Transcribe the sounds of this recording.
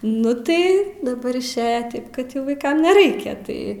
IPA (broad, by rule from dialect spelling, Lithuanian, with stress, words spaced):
ˈnʊ tɐɪ dɐˈbɐr ɪʃʲˈeːjɛ ˈtɐɪp kɐt ˈjɛʊ ʋɐɪˈkɐm nʲɛˈrɐɪkʲɛ ˈtɐɪ